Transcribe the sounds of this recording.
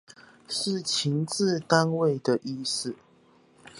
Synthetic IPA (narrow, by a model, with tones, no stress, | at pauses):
ʂɻ̩˥˨t͡ɕʰi˧˥˦ŋt͡sɹ̩˥˧t̪a˥nwe˥˩ɪd̪ə˨ʔi˥˧s̩˨˩